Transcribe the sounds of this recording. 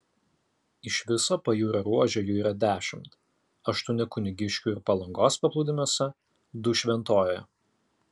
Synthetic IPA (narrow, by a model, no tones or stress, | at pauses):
ɪʃʲʋʲɪsoːpɐjuːɾɐɾuɔʒʲɛːjuːiːɾɐd̪ʲæːʃʲɪmt̪ | ɐʃt̪ʊnʲɪkʊnʲɪɡʲɪʃʲkʲuːɪɾpɐlˠɐŋɡoːspɐplˠuːd̪ʲɪmʲuɔsʲɛ | d̪ʊʃʲʋʲɛnt̪oːjɛ